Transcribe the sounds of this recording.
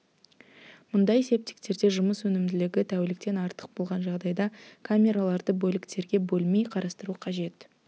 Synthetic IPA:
mʊnd̪ɑjese̞p̚t̪ɪ̥k̚t̪e̞ɾd̪e̞ʒʊməswɵnɪmd̪ɪlɪɡʲɪt̪ʰæwelɪk̚t̪e̞nɑɾt̪ə̥q̚bo̞lˠʁɑnʒɑʁd̪ɑjd̪ɑkʰamʲe̞ɾalˠɑɾd̪əbɵlɪkt̪e̞ɾɡʲe̞bɵlˠmejqʰɑɾɑst̪əɾuqʰɑʒe̞t̪

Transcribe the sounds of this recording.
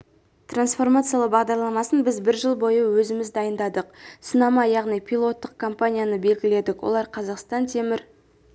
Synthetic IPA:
t̪ransfo̞rmat̪sɨjalˠəqbɑʁd̪ɑɾlˠɑmɑsənbɪzbɪɾʒəlˠbo̞jəwɵzɪmɪzd̪ɑjənd̪ɑd̪əq̚sənɑmɑjɑʁnijpʲʰijlˠo̞t̪ːəq̚kʰo̞mpanʲijanəbe̞lɡʲɪle̞d̪ɪkwo̞̰lˠɑɾqʰɑzɑqst̪ɑnt̪ʰe̞mɪɾ

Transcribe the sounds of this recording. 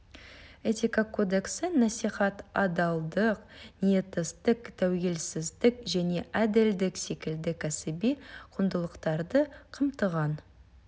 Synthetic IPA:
et̪ʲikakʰo̞d̪e̞ksɪnɑsijχɑt̪ɑd̪ɑlˠd̪əqnije̞t̪ːəst̪ɪkt̪ʰæwɡʲe̞lsɪzd̪ɪkʒæne̞ʔæd̪ɪld̪ɪkse̞kʲɪld̪ɪkʲʰæsɪbijqʰʊnd̪əlˠəqt̪ɑɾd̪əqʰəmt̪əʁɑn

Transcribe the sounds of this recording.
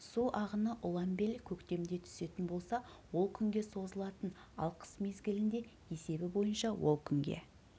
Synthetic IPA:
suʔɑʁənəʔʊlˠɑmbe̞lkʲʰɵkt̪e̞md̪e̞t̪ʰʏ̥se̞t̪ɪnbo̞lˠsɑwo̞lˠkʲʰʏŋɡʲe̞so̞zəlˠɑt̪ən | ɑ̰lˠqʰə̥sme̞zɡʲɪlɪnd̪e̞ | e̞se̞bɪbo̞jənʃɑwo̞̰lˠkʲʰʏŋɡʲe̞̰

